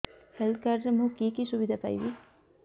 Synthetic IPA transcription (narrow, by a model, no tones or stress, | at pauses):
helt̪̚kaɾɾemukiːkisubid̪ʱapa̰jʋi